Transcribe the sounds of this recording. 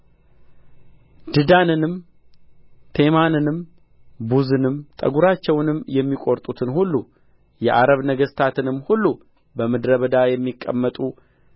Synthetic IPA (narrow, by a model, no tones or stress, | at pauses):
d̪̥ɨd̪anɨnɨm | t̪ʰe̞manɨnɨm | buzɨnɨmt̪ʼə̰ɡuɾat͡ʃːɛwnɨmjɛmːikʼoɾt̪ʼut̪ʰɨnhulːu | jɛʔaɾəβnəɡəst̪ʰat̪ɨnɨmːhulːu | bəmɨd̪ɾəβəd̪ajɛmːikʼːə̰mːət̪ʼu